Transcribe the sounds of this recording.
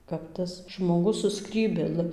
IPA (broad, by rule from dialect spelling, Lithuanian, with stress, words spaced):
kɐp ˈtɐs ʒmoːˈɡʊs sʊ ˈskrʲiːbʲeːlˠɨ